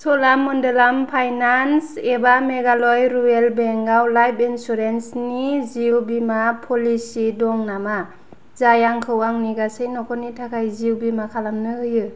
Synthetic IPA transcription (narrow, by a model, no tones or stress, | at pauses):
sɔlamːɔndelampʰajnansebameɡalɔjɾuelbeŋɡawlajpinsuɾensniziwbimapʰɔlisidɔŋnama | zajaŋkʰɯwaŋniɡasejnɔkʰɔnitʰakʰajziwbimakʰalamnɯɯjɯ